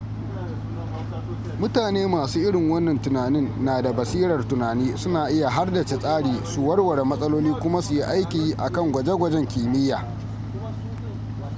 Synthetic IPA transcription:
mʊ˦taː˨neː˦maː˨suː˦ʔɪ˦ɽɪ˨ŋwɐ˦nːɐ˨ntʊ˨naː˨nɪ˦nːaː˨da˨bɐ˨siː˦ɽɐ˨rtʊ˨naː˨niː˦sʊ˦naː˨ʔɪ˦ja˨ɦa˦rdɐ˨t͡ʃe˨sʼaː˦ɽiː˨su˨wɐ˦rwɐ˨ɽe˨mɐ˦sʼɐ˦loː˦liː˦kʷʊ˦ma˦su˨ji˦ʔa˦jkʲiː˨ji˦ʔa̰˨kɐ˦˨ŋɡʷɐ˨d͡ʒe˦ɡʷɐ˦d͡ʒɛ˦ŋkʲiː˨mɪ˦jːaː˨

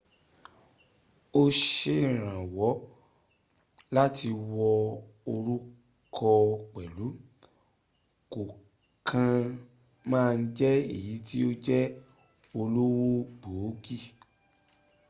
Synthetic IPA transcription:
o˦ʃe˦˨ɾ̃ã˨wɔ˨˦ | la˦ti˧wɔ˧ | o˧ɾu˦ | kʰɔ˧k͡pɛ˨lu˨˦ | ko˨ | kʰã˧ | mãː˦˧n̩˦d͡ʒɛ˦ḭ˦˨ji˨˦ti˦o˦d͡ʒɛ˦ | o˧lo˦wo˦ɡ͡boː˨˦ɡi˦˨

